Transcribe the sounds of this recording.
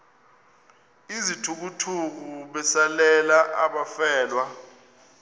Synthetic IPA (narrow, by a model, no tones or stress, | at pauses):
izitʰuk̬utʰuk̬uɓɛsalɛlaʔaɓafɛːlwa